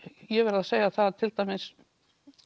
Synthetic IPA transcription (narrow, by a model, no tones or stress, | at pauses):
jɛvɛɾɪðaðseːjaθaðt̪ʰɪlt̪aːjmɪs